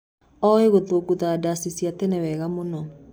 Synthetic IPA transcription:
ɔeɣoðoɡuðaːdasisiatɛnɛwɛɣamonɔ

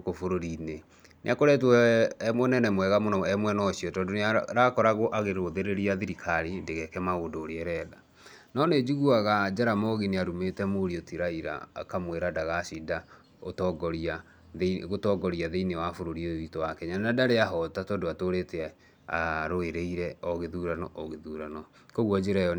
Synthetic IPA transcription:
kofoɾoɾine | nḛakoɾɛt̬wmonɛnɛmwɛɣamonɔɛmwɛnɔɕiɔtɔːndoneaɾakɔɾaɣoʔaɣeɾoðeɾeɾiaðiɾikʰaɾindeɣɛkɛmaɣondoːɾeɛɾɛða | nɔned͡ʒuɣuaɣad͡ʒaɾamɔɣineaɾumetɛmoɾiɔtiɾaiɾa̰kamweɾadaɣasida | otɔɡɔɾa | ɣotɔɡɔɾiaðeinewafoɾoɾiooitowakɛɲanadaɾeaɦɔtatɔːndoatoɾete | aɾoeɾeiɾɛɔɣeðuɾanɔʔɔɣeðuɾanɔ | koɣwɔd͡ʑeɾɛjɔ

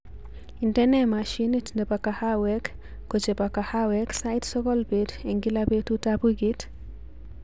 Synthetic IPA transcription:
intɛnɛmaʃinitndepakahawɛkː | ot͡ʃepakahawɛksajtsɔkɔlbedeŋɡilabetutabuɡit

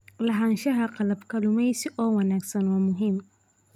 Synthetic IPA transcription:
laɦanʃaɦaqalabkalumajsiʔɔːwanaksɔnwamʊɦim

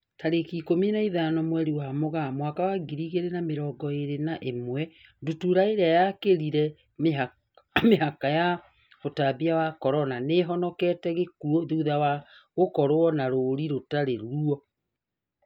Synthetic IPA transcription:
taɾekiːkominaiðanɔmwɛɾiwaamoɣamwakawaɡiɾiɣeɾenameɾɔɡɔeɾenaʔemwɛ | ndutuɾaeɾeajakeɾiɾɛ | ma | meɦakaja | otabiawakɔɾɔnaneɦɔnɔkɛtɛɣekuɔðuðawaɣokɔɾoɔnaɾoɾiɾotaɾeɾuɔ

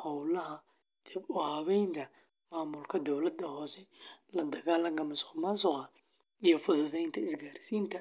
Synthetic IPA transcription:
hɔwlɐɦɐ | d̪̥ɪbʊhɐβɛjnt̪ʰɐ | maːmʊlkʰɐd̪ɔwlɐd̪ːɐhɔːsɛlɐd̪ɐɣaːlɐŋkʰɐmɐsqʊmansʊqɐ | ijɔfʊðʊðɛjnt̪ʰɐɪsɡaːɾɪsiːnt̪ʰɐ

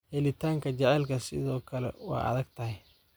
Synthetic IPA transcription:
hɛlɪt̪ʰaːŋkʰɐt͡ʃɛʕɛlkʰɐsɪ̰ðɔːkʰɐlɛ̰wɑ̰ːɐ̰ðɐɡt̪ʰɐɦɛj

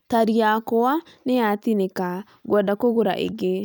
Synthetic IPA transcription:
t̪aɾijakowa | neat̪ineka | ɡwadakoɡoɾa̰ʔḛɡe

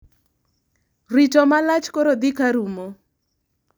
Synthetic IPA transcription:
ritɔmalat͡ʃkoɾod̪ikaɾumo

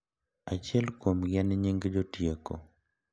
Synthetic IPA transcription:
at͡ʃjɛlkwomɡɛnɪɲiŋɡd͡ʒotjeko̰

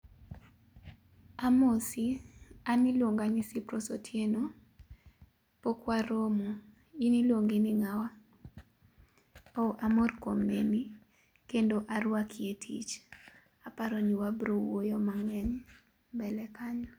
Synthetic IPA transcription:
amosianɪlwoŋɡanɪsipɾɔsotʰjeno | pokwaɾomo | inilwoŋɡɪnɪŋawa | ɔʔamorkomːeni | kendoʔaɾwakʰietʰḭt͡ʃ | apaɾɔniwabɾowojɔmaŋɛɲ | bɛlɛkaɲɔ

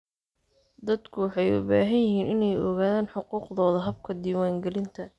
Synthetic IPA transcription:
d̪ɐd̪kʰʊwɑħɑjʊ̰baːɦɐjjɪɦiːnɪnɛjɔ̰ɣaːðaːnħʊquːqðɔːðɐɦɐb̚kʰɐd̪iːwaːŋɡɛlɪnt̪ʰɐ

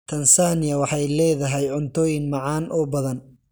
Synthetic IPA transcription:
t̪ʰɐnsaːnɪjɐwɑħɑjlɛːðɐɦɛjʕʊnt̪ʰɔːjɪnmɑʕɑːnʔɔːbɐðɐn

